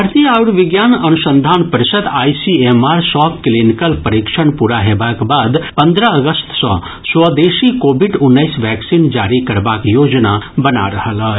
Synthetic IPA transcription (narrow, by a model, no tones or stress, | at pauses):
ɾt̪ʰiaːʊɽʋɪɡjaːnɐnʊʃə̃nd̪ʱaːnpəɾɪʃət̪aːisieːmaːɾsɔːkklinɪkəlpɐɾɪkʃəɳpuɾaɦeːbaːkbaːd̪pɐ̃nd̪ɾəɐɡəst̪sɔ̰̃ | swəd̪eːʃikoːbɪɖʊnːəɪsʋɛːksiːnd͡ʒaːɾikɐɾbaːkjoːd͡ʒnabɐna̰ɾɐɦəlɦɛː